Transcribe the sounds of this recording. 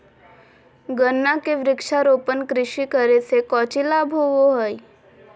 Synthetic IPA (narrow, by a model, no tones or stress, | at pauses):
ɡənːakeʋɾɪkʃaɾoːpənkɾɪʃikəɾesekɔːt͡ʃilaːbʱɦoʋoɦəi